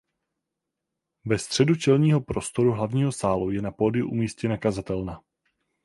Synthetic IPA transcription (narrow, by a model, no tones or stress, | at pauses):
vɛst̪r̝̥ɛdut͡ʃɛlɲiːɦo̞pɾo̞st̪o̞ɾuɦlavɲiːɦo̞saːlujɛnapoːdɪjuʔṵmiːscɛnakazat̪ɛlna